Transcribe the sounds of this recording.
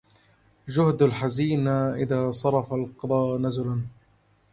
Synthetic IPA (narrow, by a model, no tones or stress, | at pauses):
d͡ʒʊhd̪alħaziːnaʔɪðaːsˤɑɾˤɑfalqɑd̪ˤɑːnazʊlan